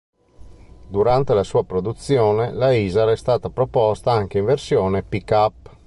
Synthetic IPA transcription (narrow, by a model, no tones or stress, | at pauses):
d̪uɾant̪elasuːapɾod̪ut̪sːjɔːnelaiːzaɾɛst̪aːt̪apɾopɔst̪aaŋk̟eiɱversjɔːnepikapː